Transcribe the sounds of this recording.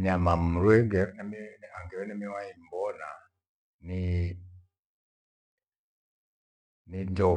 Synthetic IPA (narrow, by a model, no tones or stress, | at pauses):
ɲamam̩ɾwɛɡɛnmiaŋɡɛwɛnɛmiwaimbɔna | ni | nindɔ